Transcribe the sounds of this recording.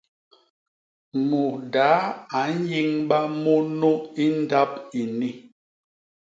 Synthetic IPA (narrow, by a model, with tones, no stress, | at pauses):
mu˨da˨˦a˨˦n̩˦ji˦ŋɓa˦mo˦no˦i˦n˦da˦pi˨ni˦